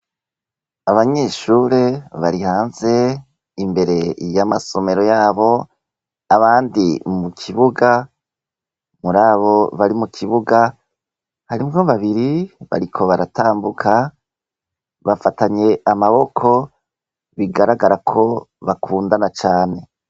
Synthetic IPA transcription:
aβaɲe̞ːʃuɾe̞βaɾihaːnze̞ | imbe̞ɾe̞jamaso̞me̞ɾo̞jaːβo̞ | aβaːndimukʰiβuɡa | muɾaːβo̞βaɾimukʰiβuɡa | haɾimɡo̞βaβiɾiβa̰ɾikʰo̞βaɾataːmbukʰa | βafataɲe̞amaβo̞kʰo̞ | βiɡaɾaɡaɾakʰo̞βakʰuːndanat͡ʃaːne̞

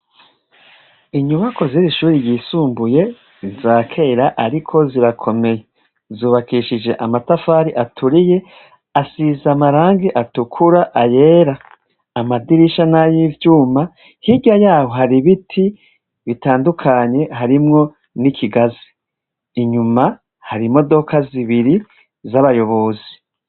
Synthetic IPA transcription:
iɲumako̞ziɾiʃuːɾijiːsuːmbuje̞ | zizaːkʰe̞ːɾaʔaɾikʰo̞ziɾakʰo̞me̞je | zuːβakiʃid͡ʒe̞ʔamatafaːɾiʔatʰuɾije̞ | asizamaɾaːŋɡiʔatukʰuɾaʔaje̞ːɾaː | madiɾiʃanajiːvjuːma | hiɡajaːho̞haɾiβitʰi | βitaːndukʰaɲe̞ɦaɾimŋo̞ | nikʰiɡazi̥ː | ɲuma | haɾimo̞do̞kaziβiɾi | zaβajo̞βo̞ːzi̥

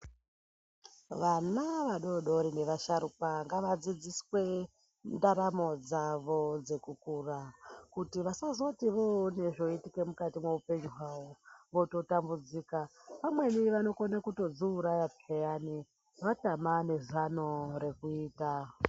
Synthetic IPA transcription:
ʋanaʋaɗoɗo̞ɾine̞ʋaʃaɾupaŋɡaʋad͡zid͡ziswe̞ | ndaɾamo̞d͡zaʋo̞d͡ze̞kukurakutiʋasazotiʋone̞ʐo̞itikemukatimweupe̞ɲiɦawoʋo̞to̞tambud͡ziːkapamwe̞niʋano̞konakuto̞d͡zuːɾajapʰejani | ʋatamane̞zanoɾe̞kuiːta

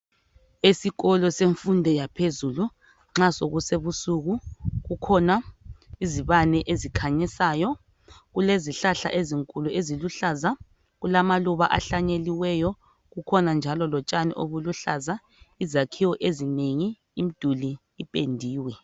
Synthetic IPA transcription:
esiɣɔlɔseɱfundʱɛjapʰezulu | ŋ͡ǁasoɣuseβusuɣuɣukʰɔnaiziβanɛʔezikʰaɲɛsaːjɔ | ɣuleziɬaɬa̰ʔeziŋkʼuluʔeziluɬaza | ɣulamaluβaʔa̰ɬaɲeliwɛjɔ | ɣukʰɔnand͡ʒʱalɔlɔt͡ʃʼanḭʔo̰βuluɬaza | izakʰiwɔʔezineŋiː | mid̥ʱuliː | pʼendʱiːwɛ

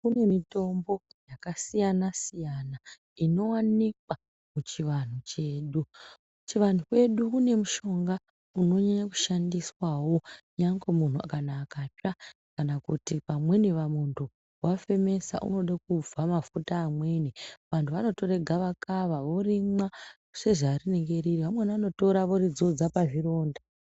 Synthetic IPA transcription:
kune̞mito̞mbo̞jakasijanasijana | ino̞wanikwa | mut͡ʃiʋan̤ut͡ʃe̞ːɗu | t͡ʃiʋan̤ukwe̞ɗukune̞muʃo̞ŋɡa | uno̞ɲaɲaku̥ʃandiswawo̞ | ɲaŋɡemun̤ukanaːkapa | kanakutipamwe̞neʋamuntʰu | wafe̞me̞sa̰ʔṵno̞ɗak̚ub͡vamafutaːmwe̞niʋantʰuʋano̞to̞ɾe̞ɡʱaʋakaʋaʋo̞rimwa | se̞ʐaːrine̞ŋɡe̞ɾiriʋamweniano̞to̞ɾaʋo̞ɾid͡zo̞d͡zapaʐiro̞ːnda

